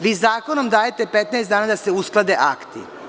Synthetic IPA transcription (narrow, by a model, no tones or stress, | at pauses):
ʋiːzaːko̞nomd̪aːjet̪e̞pet̪naesaːnad̪aseusklˠad̪e̞ʔakt̪ḭ